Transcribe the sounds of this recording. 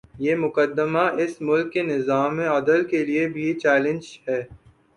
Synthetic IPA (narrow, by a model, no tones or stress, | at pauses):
jeːmʊkəd̪ːəmaʔɪsmʊlkːenɪzaːmːẽɐd̪əlkeliebʱit͡ʃɛːlɪ̃nd͡ʒɦɛː